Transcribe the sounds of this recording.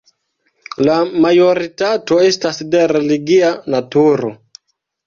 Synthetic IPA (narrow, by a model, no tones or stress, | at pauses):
lamajo̞ɾitato̞estasde̞ɾeliɡianatuɾo̰